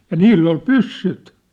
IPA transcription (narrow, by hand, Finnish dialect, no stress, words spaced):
jɑ niːlː ol pysːyt